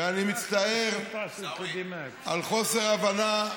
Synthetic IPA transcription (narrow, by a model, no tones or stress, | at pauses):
animit͡st̪ae̞ʁ | d̪im | a̰lχo̞se̞ʁavana